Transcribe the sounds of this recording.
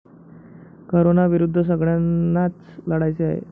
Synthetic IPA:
koɾonaʋiɾud̪ʱːəs̬əɡɭjanːat͡s | ləɽajt͡sea̰ɦḛ

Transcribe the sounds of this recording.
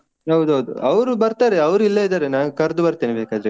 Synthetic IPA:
ɦɐwd̪uɦɐwd̪ṵɐʋɾubɐɾt̪aːɾeɐʋɾuilːɐid̪aːɾenaːnukɐɾd̪ubɐɾt̪iːnebeːkaːd̪ɾe

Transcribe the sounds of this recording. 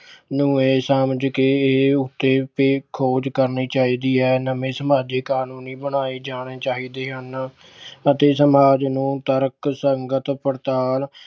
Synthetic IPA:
nũːeːsəmd͡ʒkeːʊt̪ːeːpeːkʰoːd͡ʒkəɾniːt͡ʃaːiːd̪iːɦɛːnəmẽːsəmaːd͡ʒeːkaːnuːniːbəɳaːiːd͡ʒaːɽ̃eːt͡ʃaːɦiːd̪eːɦən | ət̪eːsəmaːd͡ʒnũːt̪əɾksəŋɡət̪pəɾt̪aːl

